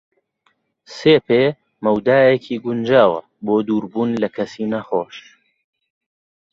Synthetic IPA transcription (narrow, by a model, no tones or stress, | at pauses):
seːpeː | mɐwd̪aːjekʰiːɡʊnd͡ʒaːwɐ̰ | boːd̪uːɾbuːnlɐkʰɐsiːnɐχoːʃ